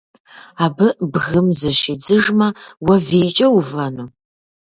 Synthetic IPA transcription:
aːbɨʔbɣɨmzɨʃɪd͡zɨʒmɐwɐviːt͡ʃʼɐwuvɐnuː

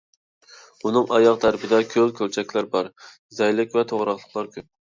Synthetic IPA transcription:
unɨŋɑjɑqt̪ʰæɾpʰɪd̪ɛkʲʰølkʲʰøɾt͡ʃʰɛkʲlæɾbɑɾ | zɛjlɪkʲvɛt̪ʰoʁɾɑχlˠəqlˠɑɾkʲʰøp̚

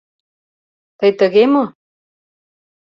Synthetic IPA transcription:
t̪ɤjt̪ə̆ɣemo

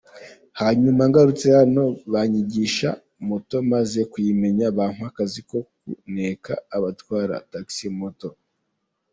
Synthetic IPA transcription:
haɲumaŋɡaɾut͡se̞hano̞βaɲiɟiʃa̰ | moto̞maze̞kwime̞ɲaβaːn̥uakaziko̞kṵneka̰ːβatwaːɾa̰taksimoto̞

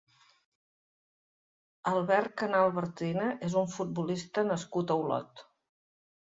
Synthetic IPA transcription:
əlˠβɛɾkənalˠβəɾt̪inəʔezuɱfut̪̚bulist̪ənəskut̪əwlɔ̰t̪

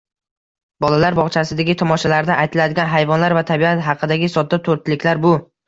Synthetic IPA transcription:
bɒlalaɾbɒʁt͡ʃʰasɪd̪aɡʲɪt̪ʰɒmɒʃalaɾd̪aʔːjt̪ʰɪlad̪ɪɡʲanɦajvɒnlaɾvat̪ʰabiat̪ɦɑqʰɨd̪aɡʲɪsɒt̪ːat̪ʰoɾt̪lɪkʲlaɾbʊ

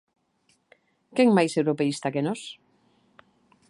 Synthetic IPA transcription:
keŋmajsewɾopeist̪akenos

